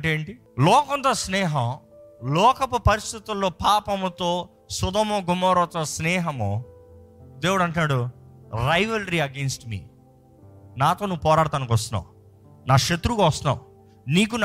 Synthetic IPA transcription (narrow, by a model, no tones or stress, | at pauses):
ʈeːɳʈi | lɔːkɔnt̪ɐsnɛːɦɐm | lɔːkɐpupɐɾist̪ʰit̪ulːo̞ːpaːpɐmt̪oː | sud̪ɐmuɡumɔːɾot̪ɐsnɛːɦɐmu | d̪eːwuɽɐɳʈnaːɽuɾɐjʋɐlɾiɐɡeːnsʈmḭː | naːt̪oːnuʋːupɔːɾaːɽɐt̪aːnɐkʋɐst̪unːa̰u | naːʃɐt̪ɾukaʋɐst̪unːa̰ːu | niːk̬un